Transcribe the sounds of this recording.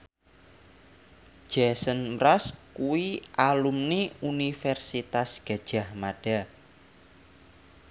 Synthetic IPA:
ʒ̥asənmɾaskuwiʔalumniunifɛrsit̪asɡ̥a̤̥ʒ̥a̤hmaɖ̥a̤

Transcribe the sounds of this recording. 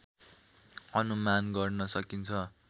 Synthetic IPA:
ʌnumanɡʌrnʌsʌkint͡sʰʌ

